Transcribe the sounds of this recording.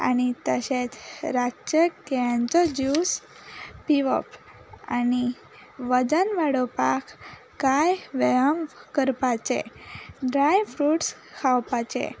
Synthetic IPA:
a̰ñit̪əɕet͡sɾat͡ɕək̚t̪jant͡sɔd͡ʑus | piʋə̰p | a̰ni | ʋəd͡zənʋaɽɔpakʰ | kajʋəəmkəɾpat͡ɕḛɖɾajfɾuʈs | kʰawpat͡ɕḛ

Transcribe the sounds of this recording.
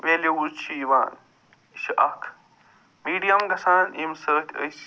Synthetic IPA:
ʋeːleuzt͡ʃʰiʋa̰ːn | ʃiʔɐkʰ | miːɖijɐmɡɐsaːnimsəːt̪ʲʰəs

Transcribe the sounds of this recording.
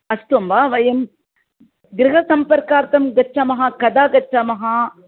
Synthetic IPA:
ɐsʈ̪omʋaːʋɐjɐm | ɡɾɪɦɐsɐmpɐɾkaːɾt̪ɐmɡɐt͡ʃɐmɐɦakɐd̪aːɡɐt͡ʃɐmɐɦa

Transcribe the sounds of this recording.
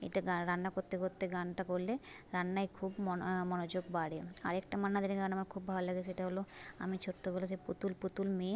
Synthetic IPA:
ḛjʈaɡaɾanːakoɾt̪ːekoɾt̪ːeɡanʈakoɾleɾanːajkʰubɔmɔnod͡ʑoɡbaɽea̰ɾekʈamanːad̪ʱiɾeɡanamaɾkʰubːʱalolaɡet͡ɕʰeeʈaɦoloa̰mit͡ɕʰoʈːobelas̬eput̪ulput̪ulme

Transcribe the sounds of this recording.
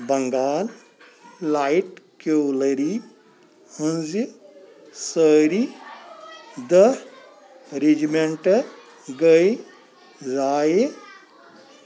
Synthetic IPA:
bɐŋɡaːlː | aiʈkoːlɐɾi | hənzi | səːɾi | d̪ə | ɾed͡ʒimeɳʈ | ɡəj | zaːje

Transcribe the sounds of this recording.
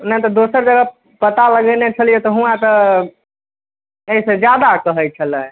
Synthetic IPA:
nəit̪ɔd̪osəɾd͡ʒəɡə | pət̪aləɡənet͡ʃʰəlijet̪ɔɦũãt̪ə | eised͡ʒjad̪akəɦəjt͡ʃʰələ

